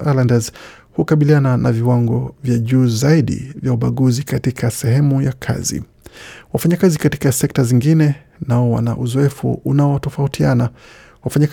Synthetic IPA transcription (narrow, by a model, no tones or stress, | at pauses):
alandaz | hukaɓiliananʔaviwaŋɡɔvjaʄuːzaiɗḭvjauɓaɠuzikatikʰasɛɦɛmujakʰa̰zḭ | wafaɲakazikati̥kasɛk̚taziŋɡinɛ | naɔwa̰na̰ʔuzɔɛfṵʔunaɔtɔfautʰiana | wafaɲak